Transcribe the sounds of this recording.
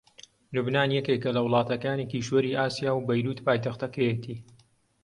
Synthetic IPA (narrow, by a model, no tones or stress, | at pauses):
lubnaːnjɛkekɐlɐwlˠɑːt̪ɐkaːnekiʃwɐɾiːʔaːsijaːwbɐjɾuːt̪paːjt̪ɐxt̪ɐkɐjet̪ʰiː